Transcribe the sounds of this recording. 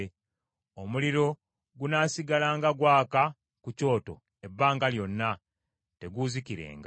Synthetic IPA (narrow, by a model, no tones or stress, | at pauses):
omuliɾo̞ | ɡunaːsiɡalaːŋɡaɡwaːka | kuco̞ːto̞̰ | e̞bːaːŋɡaljo̞nːa | te̞ɡuziciɾe̞̰ːŋɡa